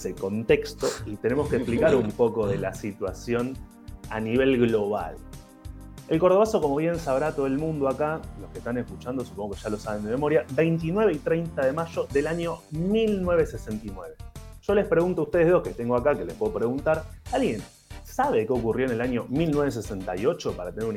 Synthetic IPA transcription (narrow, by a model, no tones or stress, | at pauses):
seko̞nt̪e̞kst̪oit̪e̞ne̞moskeksplikaɾumpo̞ko̞ðe̞lasit̪wasjo̞n | a̰niβ̞e̞lɣlo̞βa̰l | elko̞ɾð̞oβasokomo̞βje̞nsaβɾat̪o̞ðoelmũnd̪oakalo̞hkeht̪aneskut͡ʃand̪osu̥po̞ŋɡokeʃalo̞saβe̞nd̪eme̞mo̞ɾjaβe̞jnt̪̬inwe̞βeit̪ɾejnt̪aðe̞maʒo̞ðe̞laɲjo̞milnwe̞βe̞se̞se̞nt̪inwe̞βe̞ʒ̥o̞le̞spɾe̞ɣunt̪oust̪eeosket̪eŋɡoakake̞lepwe̞ðopɾe̞ɣunt̪aɾalɣje̞n | saβe̞keo̞kurjo̞ene̞laɲjo̞milnweβe̞s̬e̞se̞nt̪ajo̞t͡ʃo̞paɾat̪eneɾun